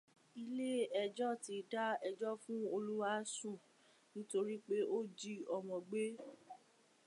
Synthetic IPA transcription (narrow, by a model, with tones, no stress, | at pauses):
i˧le˦ɛ˧d͡ʒɔ˦ti˨˧da˦ɛ˧d͡ʒɔ˦fũ˦o˧lu˦wa˦sũ˦˨ | nĩ˦to˧ɾi˦k͡pe˦o˦˨d͡ʒi˦ɔ˨mɔ̃˨ɡ͡be˦